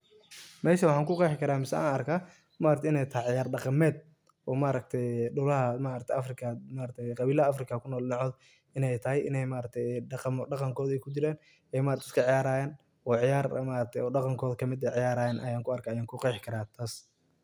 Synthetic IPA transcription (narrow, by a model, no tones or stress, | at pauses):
mɛːʃɐwɑħɑːŋkʊqɛjħkʰɐɾaːmɪsɛa̰ːnɐrkʰaː | maːɾɐk̚t̪ɛɪnɛjt̪ʰɐhɐʕɪjaːrɖɑqɑmɛːd̪ | ɔːmaɾɐk̚t̪ʰɛjɖʊlɐɦɐmaːɾɐk̚t̪ʰɛɐfrɪkʰɐmaːɾɐt̪ʰɛjqɑβiːlɐɐɐfrɪkʰakʰʊnɔːlnɑʕɔːd | ɪnɛjt̪ʰɐɦɛjʔɪ̰nɛjmaːɾɐk̚t̪ʰɛjqmɖɑqɑŋkʰɔːðɛjkʰʊd͡ʒɪɾɛːn | ɛjmaːɾɐkt̪ɛɪskʰɐʕɪjaːɾaːjɛːn | ɔːʕɪjaːɾmaːɾɐk̚t̪ʰɛjɔːɖɑqɑŋkʰɔːðɐkʰɐmɪd̪ɛjʕɪjaːɾaːjɛːnʔɐ̰jaːŋkʰʊɐrkʰaːjaːŋkʰʊqɑjħkʰɐɾaːt̪ʰaːs